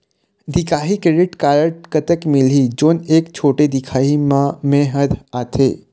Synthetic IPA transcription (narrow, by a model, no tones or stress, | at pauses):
d̪ikaɦikeɖiʈkaɾəʈkət̪əkmilid͡ʒonekt͡ʃʰoʈed̪ikʰaɦimãmɛɦəɾat̪ʰḛ